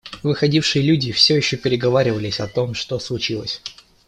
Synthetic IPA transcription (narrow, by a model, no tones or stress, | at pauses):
vɨxɐdʲifʂɨjəlʲudʲɪfsʲojɪɕːopʲɪɾʲɪɡɐvaɾʲɪvəlʲɪsʲɐt̪o̞mʂt̪o̞slˠʊt͡ɕilˠə̰sʲ